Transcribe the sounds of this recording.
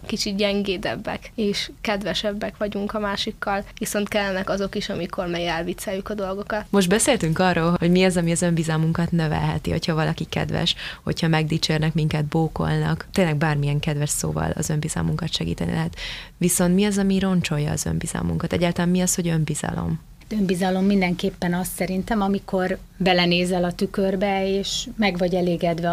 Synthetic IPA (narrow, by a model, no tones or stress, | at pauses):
kit͡ʃit̪̚ɟɛŋɡeːd̪ɛ̰bːɛ̰keːʃkɛd̪vɛʃɛbːɛkʋɒɟuŋkɒmaːʃikːɒlʋiso̞nt̪kɛlːɛnɛkɒzo̞kiʃɒmiko̞rmɛɡɛlvit̪sɛjːukɒd̪o̞lɡo̞kɒt̪mo̞ʒd̪bɛseːlt̪yŋkɒrːoːlho̞ɟmiɒzɒmiɒzø̞mbizɒmuŋkɒt̪nø̞vɛ̰lɦɛ̰t̪iho̞chɒvɒlɒkikɛ̰d̪vɛ̰ʃho̞̰chɒmɛɡ̚d̪iːt͡ʃeːrnɛkmiŋkɛd̪̚boːko̞̰lnɒ̰kt̪ːeːnlɛɡ̚baːrmijɛŋkɛd̪vɛʃso̰ːvɒ̰lɒ̰zø̞mbizɒ̰muŋkɒt̪ʃɛɡḭːt̪ɛnḭlʔɛɦɛt̪ʋiso̞nt̪miɒzɒmiɾo̞nt͡ʃo̞jɒ̰ːzø̞̰mbiz̥ɒ̰mṵŋkɒt̪ɛɟːaːlt̪ɒlaːmiɒsho̞ɟø̞mbiz̥ɒ̰lo̞̰m | t̪ømbizɒlo̞mːind̪ɛŋkeːpːɛnɒssɛɾint̪ɛmɒmiko̞r | bɛlɛneːzɛlɒt̪ykørbɛeːʃmɛɡʋɒɟɛleːɡɛd̪ʋɛ